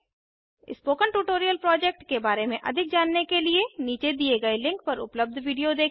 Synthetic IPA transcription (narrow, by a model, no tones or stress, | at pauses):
ɪ̰spoːkənʈuːʈoːɾijəlpɾɔːd͡ʒɛːk̚ʈkebaːɾemẽʔɐ̰d̪ʱɪk̚d͡ʒaːnːekelieniːt͡ʃed̪ieɡɐelɪ̃ŋk̚pɐɾʊ̰pləb̚d̪ʱʋiːɖijod̪eː